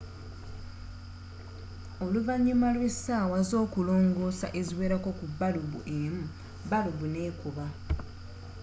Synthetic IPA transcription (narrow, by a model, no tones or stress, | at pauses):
o̞luvaɲːimalwesawazo̞ːkulo̞ːŋɡo̞ːsa̰ʔe̞ziwe̞ːɾako̞kubːaluβṵʔemu | baluβune̞ːkuβa